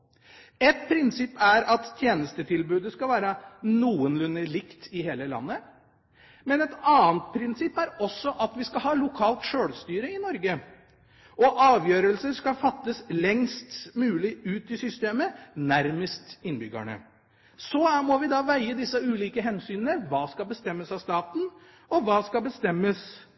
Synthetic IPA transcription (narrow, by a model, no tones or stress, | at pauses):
ɛt̪pʰɾɪnsɪpːæɾɑt̪tʰːjeːnəst̪ət̪ʰɪlbʉːd̪əskɑlʋæːɾənuːənlʉnːəɭɪkt̪ɪɦeːləlɑ̰nːə | mɛnɛt̪ɑːnt̪̚pʰɾɪnsɪpːæɾɔsːɔʔɑt̪ʋɪskɑhɑːlʊkʰɑːlt̪ʂøːɽst̪yːɾəɪnɔɾɡə | ɔʔɑːʋjøːɾəlsəskɑfɑt̪ːəslɛŋst̪mʉːlɪʉːt̪ɪsʏst̪eːmənæɾməst̪ɪnbʏɡæ̰ɳə̰ | sɔmɔʋɪd̪ɑːʋæɪəd̪ɪsːəʉːliːkəɦɛnsyːnənəʋɑːskɑlbəst̪ɛmːəsɑʋst̪ɑːt̪n̩ | ɔʋɑːskɑlbəst̪ɛmːəs